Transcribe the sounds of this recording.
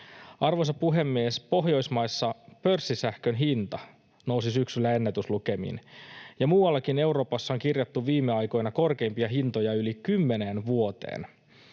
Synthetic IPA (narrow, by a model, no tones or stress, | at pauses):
ɑrʋosɑpuɦe̞mːiespo̞ɦjo̞jsmɑjsːɑpø̞rsːisæhkønɦint̪ɑ | no̞wsisyksylːæe̞nːet̪ysluke̞mḭnjɑmuːwɑlːɑkine̞wɾo̞ːpɑsːɑoŋkirjɑt̪ːuʋʋiːmːeɑjko̞jnɑko̞rke̞impiɑɦint̪o̞jɑylikymːe̞neːnʋuo̞t̪e̞̰ːn